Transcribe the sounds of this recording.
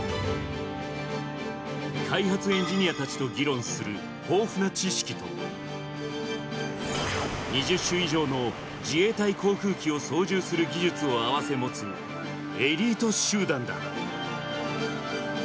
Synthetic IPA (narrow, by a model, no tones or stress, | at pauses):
kʰaiɦat͡sɨẽ̞ɲ̟d͡ʑiɲ̟iat̪at͡ɕi̥t̪o̞ɡʲiɾõ̞ɰ̃sɨɾɯ̟ | hoːɸɯ̟nat͡ɕiɕi̥kʲit̪o̞̰ | ɲ̟iʑɨɕːɨiʑo̞ːno̞ | d͡ʑie̞ːt̪aikʰo̞ːkɯ̟ːkʲio̞so̞ːʑɨːsɨɾɯɡʲiʑɨt͡sɨo̞aβase̞mo̞t͡sɨ | e̞ɾʲiːt̪o̞ɕɨːd̪ãnd̪a̰